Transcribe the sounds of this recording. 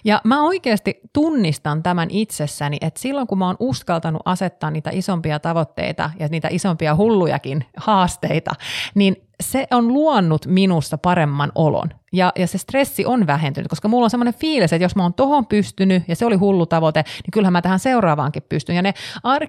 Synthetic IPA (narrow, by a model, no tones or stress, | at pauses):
jɑmæoikeːst̪it̪unːist̪ɑnt̪æmænʔit̪sesːæniʔet̪silːoŋkumæoːnuskɑlt̪ɑnṵʔɑset̪ːɑːnniːt̪æ̰ʔisompiɑt̪ɑʋot̪ːḛit̪ɑ̰jɑniːt̪æ̰ʔisompiɑhulːujɑ̰kinhɑːst̪eit̪ɑ̰nin | seʔonluɑnːut̪minusːɑpɑɾemːɑnolo̰njɑjɑsest̪resːiʔonʋæɦent̪yn̰t̪koskɑmulːonsemːonefiːliset̪josmoːnt̪ohompyst̪ynyjɑseoliɦulːut̪ɑʋot̪eniŋkylhæmmæt̪æhænseurɑːʋɑ̰ːŋkippyst̪ynjɑneɑr